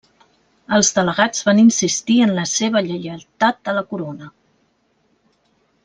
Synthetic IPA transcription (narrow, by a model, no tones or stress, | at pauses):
əlˠzðələɣad͡zβaninsist̪iənləseβ̞əʎəjəlt̪at̪̚ələkuɾonə